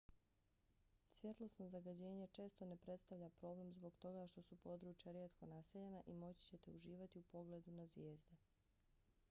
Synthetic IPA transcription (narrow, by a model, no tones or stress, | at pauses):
sʋje̞t̪lˠosno̞zaɡad͡ʑe̞ːɲe̞t͡ʃe̞ːst̪o̞ne̞pɾe̞t̪st̪aʋʎapɾo̞ble̞mzbo̞ɡt̪o̞ɡaʃt̪o̞supo̞d̪ɾuːt͡ʃjaɾjeːt̪ko̞naseʎe̞naʔimo̞t͡ɕi̥t͡ɕe̞t̪e̞uʒiːʋat̪iupo̞ɡle̞d̪unazʋje̞ːzd̪e̞